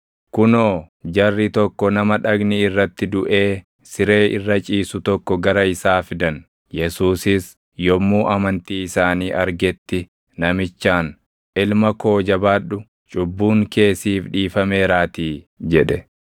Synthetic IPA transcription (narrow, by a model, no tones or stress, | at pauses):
kʊnoː | d͡ʒɐrːɪt̪ɔkːɔnɐmɐᶑɐɡnɪɪrːɐt̪ːɪd̪ʊʔe̞ː | sɪɾe̞ːʔɪrːɐt͡ʃʼiːsʊt̪ɔkːɔɡɐɾɐɪsaːfɪd̪ɐn | jɛsuːsɪs | jɔmːuːʔɐmɐnt̪iːɪsaːniːʔɐɾɡɛt̪ːɪ | nɐmɪt͡ʃːaːn | ʔɪlmɐko̞ːd͡ʒɐbaːɗʊ | t͡ʃʼʊbːuːŋke̞ːsiːfᶑiːfɐme̞ːɾaːt̪iː | d͡ʒɛᶑɛ